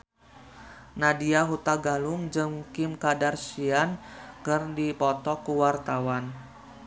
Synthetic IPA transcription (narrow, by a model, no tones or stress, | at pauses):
nadiaɦut̪aɡalʊŋd͡ʒɨmkɪmkadarsiankɨrdipɔt̪ɔkəwart̪awan